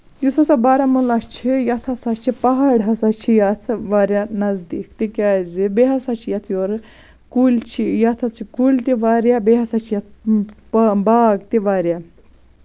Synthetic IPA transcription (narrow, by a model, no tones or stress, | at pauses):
jusɐsabaːɾamulɐt͡ʃʰijɐt̪ʰɐsat͡ʃʰipɐɦaɽɦɐsat͡ʃʰijat̪ʰʋaːɾjanɐzd̪iːkt̪ikʲaːzibeɦɐsat͡ʃʰijɐt̪ʰjoɾ | kulʲt͡ʃʰijɐt̪ʰɐt͡ʃʰikulʲt̪iʋaːɾjabeɦɐsat͡ʃʰijɐt̪̚ʰ | baːɡt̪iʋaːɾja